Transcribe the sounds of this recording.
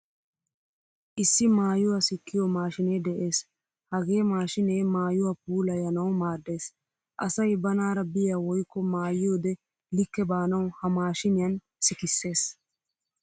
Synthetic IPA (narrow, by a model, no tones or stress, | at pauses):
ʔɪsːɪmaːjʊwɐsɪkːɪjomaːʃɪneːd̪ɛʔe̞ːs | hɐɡe̞ːmaːʃɪneːmaːjʊwap̚uːlɐjɐnɐwmaːd̪ːe̞ːs | ʔɐsɐjbɐnaːɾɐbɪjaːwɔjkːɔmaːjɪjoːd̪ɛ | lɪkːɛbaːnɐwhɐmaːʃɪnɪjɐn | sɪkɪsːe̞ːs